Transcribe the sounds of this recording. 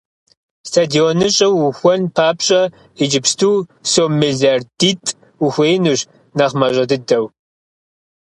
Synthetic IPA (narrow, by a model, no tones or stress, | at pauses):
stʰadionɨɕʼɐwxʷɔnpʰaːpɕʼɐ | ed͡ʒɪpstʰuːsoːmeɮarditʼ | wuxʷeːjnuɕ | naχmɐɕʼɐdɨdɐw